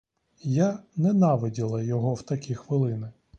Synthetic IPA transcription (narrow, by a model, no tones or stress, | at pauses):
janɛnɑʋɪdʲilˠɐjɔɦɔwt̪ɐkʲixʋɪlˠɪnɪ